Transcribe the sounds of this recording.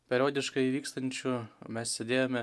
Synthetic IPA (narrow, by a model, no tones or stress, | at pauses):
pʲɛɾʲoːd̪ʲɪʃkɐɪʋʲiːkst̪ɐnʲt͡ʃʲʊmʲɛssʲɛd̪ʲeːjoːmʲɛ